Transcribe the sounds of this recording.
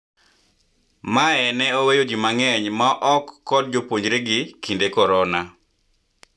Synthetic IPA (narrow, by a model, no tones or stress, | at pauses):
maɛnɛowejod͡ʒimaŋɛɲmaʔɔkːɔd̚d͡ʒopwoɲd͡ʒɾeɡɪkindekɔɾɔna